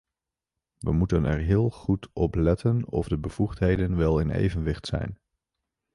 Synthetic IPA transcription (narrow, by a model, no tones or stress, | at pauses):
ʋə̰mutənʔɛ̰ɹɦɪːlˠχutʰɔplɛtənɔ̰vdəbəv̥uχtɦejdənʋɛlˠɪnḛjvənʋɪχtsɛ̰jn